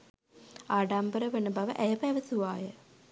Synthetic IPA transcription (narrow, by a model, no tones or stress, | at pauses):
aːɖambəɾəʋenəbaʋəʔæjɐpæʋɐsuʋaːjə